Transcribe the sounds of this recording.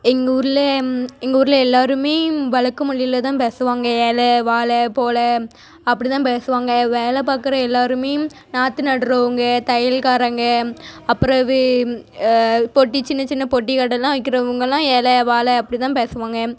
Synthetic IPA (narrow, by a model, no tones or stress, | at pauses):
ɛŋɡɐuːɾɯlɐɛŋɡɐuːɾɯlɛlːaːɾɯmeːʋɐɭɐkːɯmʊɭːɪɪlɐt̪ãːpeːsɯʋaːŋɡɐeːlɐʋaːlɐpoːlɐ | ɐpːɐɽit̪ãːpeːsɯʋaːŋɡɐʋeːlɐp̬aːkɯɾɐ̃ɛlːaːɾɯmeːjm | naːt̪ːɯnɐɽɯɾɐʋɯŋɡɐt̪ɐjɪlkaːɾɐŋɡɐɐpːɯɾɐʋɯ | pɔʈːit͡ʃɪnːɐt͡ʃɪnːɐpɔʈːikɐʈːɐlːãːʋɐk̬ːɪɾɐʋɯŋɡɐlãːeːlɐʋaːlɐɐpːɐɽit̪ãːpeːsɯʋaːŋɡɐ